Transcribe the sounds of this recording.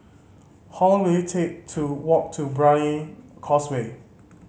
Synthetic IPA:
hɔ̃nwetʰek̚tʰuwɔk̚tʰubɹajə̃nkʰɔswe

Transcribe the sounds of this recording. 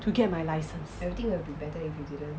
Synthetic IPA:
tʰuɡɛt̚majlaɪsə̃nsɛvɹit̪ĩŋwɛlbibɛtəifjudidə̃n

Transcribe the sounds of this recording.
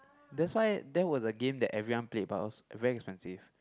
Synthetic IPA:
dɛtswaɪdɛt̚wɔsəɡẽmdɛʔɛvɹiwãnplet̚baɔsvɛɹiɛkspɛ̃nsiv

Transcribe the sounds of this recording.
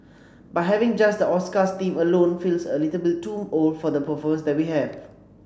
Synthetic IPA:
baɪɦɛvɪ̃ŋd͡ʒasdəɔskastĩməlõnfilsəlitəlbɪtũmolfɔdəpəfɔmə̃nsdɛt̚wiɦɛv̥

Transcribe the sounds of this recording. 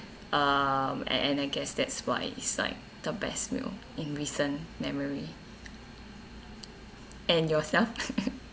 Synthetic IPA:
ʔʌm̰ɛ̰̃naɪɡɛsdɛtswa̰ɪḭtsla̰ɪk̚d̥əbɛ̰smḭl | ĩnɹisə̃nmɛməɹi | ʔɛ̃njɔsɛlf

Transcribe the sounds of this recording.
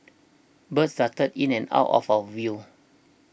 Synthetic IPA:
bətstatədĩnɛ̃na̰wtɔ̰fəvi

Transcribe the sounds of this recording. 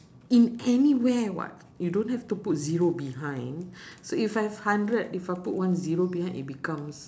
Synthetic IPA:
ĩnɛniwɛwɔ̰t̚ | judõnhɛft̪uput̚ziɹobiɦãj̃ndsoifajvhãndɹədifajpuʔ̚wãnziɹobihãj̃nḭt̚bikãms

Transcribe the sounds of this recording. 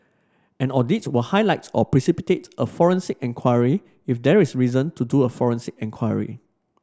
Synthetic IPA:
ɛ̃nɔditwəhaɪlaɪtɔpɹisipitetʔəfɔɹə̃nsikɛ̃nkʰwaɪɹi | ifdɛɹisɹizə̃ntʰuduəfɔɹə̃nsɪk̚ɛ̃ŋkʰwajə̰ɹḭ

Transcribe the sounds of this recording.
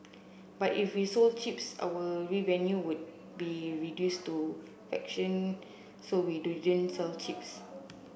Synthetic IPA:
batifwisolt͡ʃipsa̰wəɹivɛ̃njuwud̚ | biɹidjustu | fɛ̰kʃə̃n | sowidudə̃nsɛlt͡ʃips

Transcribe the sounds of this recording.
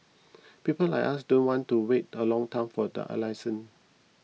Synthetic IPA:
pipəla̰jkʔasdõnwɔ̃ntuwetəlɔ̃ŋtʰãɪ̃mfɔdə̰ʔə̰lajsə̃n

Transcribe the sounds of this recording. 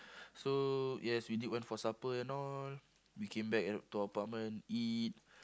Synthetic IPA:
sojɛswidiʔwɛ̃nfɔsapəɛ̃nɔl | wikʰẽmbɛk̚ɛtːuəpat̚mə̃nit̚

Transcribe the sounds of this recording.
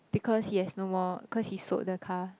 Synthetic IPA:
b̥ikʰɔshihɛsnomɔikʰɔshiso̰ʔ̚dəkʰa

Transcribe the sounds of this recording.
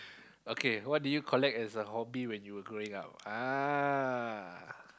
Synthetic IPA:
okʰewɔt̚dujukʰɔlɛk̚tɛsəɦɔbiwɛ̃njuwəɡɹoɪ̃ŋa̰p̚a

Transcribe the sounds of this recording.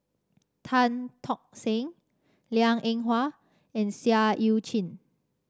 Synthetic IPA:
t̪ʰãnt̪ʰɔk̚sɛ̃ŋ | liãŋɛ̃ŋɦwa | ɛ̃nsiaʔiwt͡ʃʰĩn

